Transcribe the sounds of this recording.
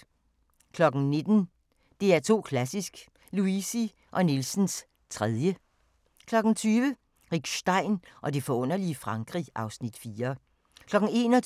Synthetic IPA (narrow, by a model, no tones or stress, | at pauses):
kʰlɒ̽ɡ̥n̩ne̝d̥n̩ | d̥e̝æɐt͡sʰo̝̰ːkʰlæsisɡ̥ | luisi | ʔɒ̽nilsn̩s | t͡sʰʁɛð̞ˠjə | kʰlɒ̽ɡ̥n̩t͡sʰyːʋə | ʁiɡ̥ɕd̥ɑ̈ɪ̰nʔɒ̽de̝fɒ̽ɔ̽n̰ɐliəfʁɑ̈ŋɡ̥ʁiʔɑ̈ʊsnid̥fiːɐ | kʰlɒ̽ɡ̥ŋ̩e̝̰ːnɒ